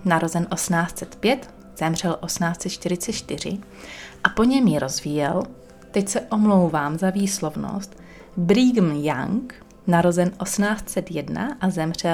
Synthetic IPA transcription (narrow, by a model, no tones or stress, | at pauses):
naɾo̞zɛnʔo̞snaːst̪t͡sɛt̪pjɛt̪ | z̥ɛmr̝ɛlʔo̞smnaːst̪t͡sɛt̪t͡ʃt̪ɪɾɪt͡sɛt̪t͡ʃt̪ɪr̝ɪ̰ | ʔapo̞ɲɛmjɪɾo̞zvijɛl | t̪ɛcsɛʔo̞mlo̞wvaːmzaviːslo̞vno̰st̪ | bɾiːɡn̩ja̰ŋk | naɾo̞zɛnʔo̞smnaːst̪t͡sɛt̪jɛdna̰ʔazɛmr̝̥ɛl